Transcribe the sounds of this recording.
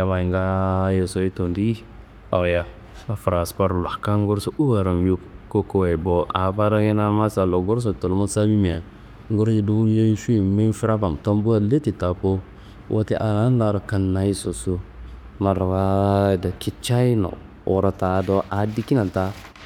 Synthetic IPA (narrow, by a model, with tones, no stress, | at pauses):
ja˨˦ma˨i˨ŋɡa˦je˨so˦i˦to˨ndi˦i˦ | a˨ja˦ | a˦fɾa˨spa˦ɾla˨ka˦ŋ˦ɡu˦ɾso˦u˦wa˨ɾa˨m˦ju˦kko˦ko˦we˨bo˦a˨˦ba˦ɾa˦ɡe˦na˦ma˦sa˨lo˨ɡo˦ɾs̬o˨to˨lmo˦sa˦bi˦mi˨a˨ | ŋɡo˦ɾji˦du˦je˦ʃi˦˨mi˦fi˦ɾa˦ba˨mto˦mbu˦a˦le˦ti˨ta˨po˦ | wʔa˦ti˦ʔa˨na˦n˦la˨ɾa˨ka˨nːa˨i˦so˨su˦ | ma˨ɾwa˦˨da˨ki˦t͡ʃa˦i˦no̰˨ | ʔo̰˨ɾa˨ta˨˦do˦ʔa˨di˦ki˦na˨ta˦